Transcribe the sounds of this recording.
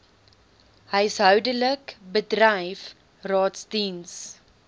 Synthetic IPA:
həjsɦœwdələkbədrɐjf | rɑːtsdins

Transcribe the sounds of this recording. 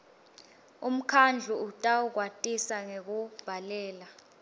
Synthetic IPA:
um̩kʰand͡ɮʱuutʼauk̬watʼisaŋek̬ub̥ʱalɛːla

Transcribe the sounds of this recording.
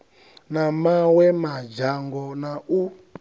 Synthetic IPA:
namawɛmad͡ʒaŋɡɔnau

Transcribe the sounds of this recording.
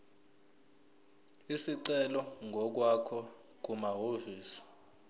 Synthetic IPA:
isiǀɛlɔŋɡʱɔk̬wakʰɔ | k̬umaɦoviːsi̥

